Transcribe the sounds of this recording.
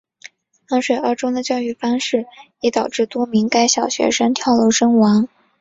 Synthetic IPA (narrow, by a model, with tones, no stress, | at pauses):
kɑ˥ŋʂwe˨˩ə˞˧˥ʈ͡ʂʊ˥ŋd̪ə˨t͡ɕjɑ˥˧ʊy˥˩fɑ˥ŋʂɻ̩˥˩ | ɛ˧˥t̪ɑ˨˩ʊʈ͡ʂɻ̩˥˩t̪wɔ˥mi˧˥ŋka˥ɪɕjɑ˨˩ʊɕɥɛ̰˧˥ʂə˥ŋt̪ʰjɑ˥˩ʊlo˧˥ʊʂɤ˥ŋwɑ˧˥ŋ